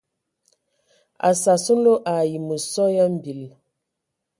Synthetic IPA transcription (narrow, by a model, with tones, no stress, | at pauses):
a̰˨sa˨su˦no˦ʔa˨ji˨mə˨sɔ˦ja˦m̩˨bi˨l